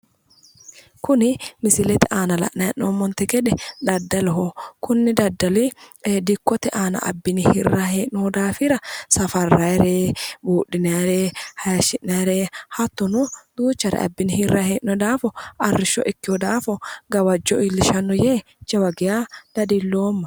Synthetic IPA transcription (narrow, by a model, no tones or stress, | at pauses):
kʊnɪmɪsɪlɛt̪ɪʔaːnɐlɐ̰ʔnɐɛʔnoːmːɔnt̪ɛɡɛᶑɛᶑ̪ɐd̪ːɐlɔɦokʊnːɪd̪ɐd̪ːɐlid̪ɪkːɔt̪ɪʔaːnɐ̰ʔɐ̰bːɪnɪhɪrːaːheːʔnɔd̪aːfɪɾɐsɐfɐrːaɛɾeːbuːʔɪnaɾeːhɐjɐʃɪʔnaːɾeːhɐt̪ːɔnʊd̪̥uːt͡ʃːɐɾɛ̰ɐ̰bːɪnɪhɪrːaheːʔnɔd̪aːfɔʔɐrːɪʃɔ̰ʔɪkːɪhɔd̪aːfɔɡɐwɐd͡ʒːɔʔɪlːɪʃɐnːɔjeː | t͡ʃɐwɐɡɪjaːd̪̥ɐd̪ɪlːoːmːɐ